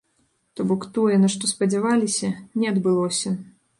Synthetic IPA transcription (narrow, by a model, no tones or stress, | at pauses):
t̪ɔbɔkt̪ɔjɛnɐʂt̪ɔspɐd͡zʲavalʲisʲɐnʲɛɐd̪bɨlˠɔsʲɐ